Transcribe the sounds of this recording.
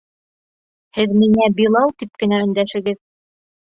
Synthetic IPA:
hɘðmiŋæbilˠɑlˠt̪ip̚kɘ̆næɵ̆nd̪æʃɘ̆ɡɘð

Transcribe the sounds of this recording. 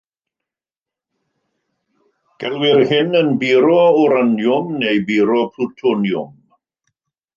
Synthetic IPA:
ɡ̥ɛlwɪɾhɪnənbiːɾɔuɾanjʊmnejbiːɾɔpʰlutʰɔnjʊ̰m

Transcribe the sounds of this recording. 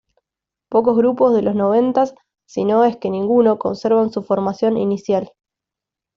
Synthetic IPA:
po̞k̬o̞zɣɾupo̞zðe̞lo̞zno̞β̞e̞nt̪asː | ino̞e̞ske̞nĩŋɡuno̞ko̞̰nseɾβansufo̞ɾmasjo̞nḭnisjal

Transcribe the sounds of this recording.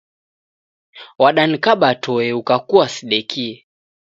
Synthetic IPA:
waɗanikaɓatʰɔɛukakuasiɗɛkiɛ

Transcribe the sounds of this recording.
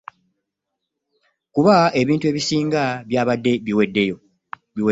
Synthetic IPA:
kuβae̞βiːntue̞ːβisiːŋɡaβjaːβadːeβiwedːe̞jo | βiwe

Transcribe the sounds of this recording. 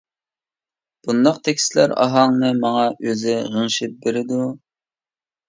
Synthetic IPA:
b̥und̪ɑqt̪ʰɛkʲslæ̰ɾɑ̰ɦɑŋnɨmɑŋɑʔøzɪʁəŋʃɪp̚beɾɪd̪u

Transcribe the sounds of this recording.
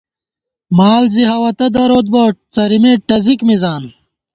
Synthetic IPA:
maːlziɦɐwɐt̪ɐd̪ɐɾoːt̪̚boːt͡sɐɾimeːʈɐzikmizaːn

